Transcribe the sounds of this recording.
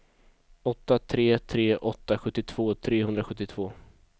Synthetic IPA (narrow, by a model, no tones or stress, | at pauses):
ɔt̪ːat̪ʰɾeːt̪ʰɾeːʔɔt̪ːaɧɵt̪ːɪt̪ʰv̥oːt̪ʰɾeːhɵnd̪ɾaɧɵt̪ːɪt̪ʰv̥oː